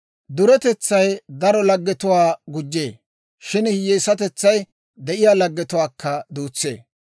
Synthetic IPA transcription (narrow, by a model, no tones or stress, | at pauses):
d̪ʊɾɛt̪ɛt͡sːɐjd̪ɐɾɔlɐɡːɛt̪ʊwaːɡʊd͡ʒːeː | ʃɪnhjeːsɐt̪ɛt͡sːɐj | d̪ɛʔɪjaːlɐɡːɛt̪ʊwaːkʰːɐd̪uːt͡sːe̞̰ː